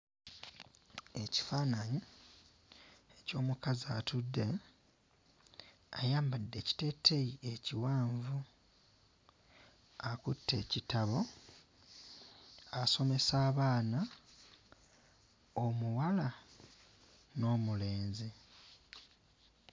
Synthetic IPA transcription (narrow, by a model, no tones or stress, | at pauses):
e̞ci̥faːnaɲi | eco̞ːmukaziatudːe̞ | a̰jaːmbadːe̞ːci̥te̞tʰːejie̞ciwaːɱvu | akutːe̞ːcitaβo̞ | aso̞me̞saːβaːna | omuwala | no̞ːmule̞ːnzi